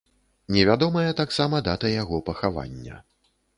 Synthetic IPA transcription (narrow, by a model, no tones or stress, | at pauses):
nʲɛvʲad̪ɔmɐjɐt̪aksamɐd̪at̪ɐjaɣɔpɐxava̰nʲːɐ̰